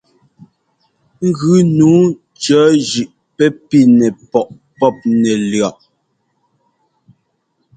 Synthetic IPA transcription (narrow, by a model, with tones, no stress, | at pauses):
ŋ̩˦ɡʉ˨˦nuː˨˦ | t͡ʃœː˨˦d͡ʒʉ˨ʔ | pɛ˦pi˦nɛ˨pɔ˨ʔ | pɔ˦˨p̚nɛ˨lɰa˨ʔ